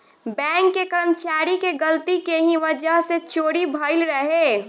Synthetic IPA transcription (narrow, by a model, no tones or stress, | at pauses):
bɛ̃ːŋkːekəɾəmt͡ʃaːɾikeɡəlt̪ikeɦĩʋəd͡ʒəɦset͡ʃoːɽibʱəɪlɾəɦe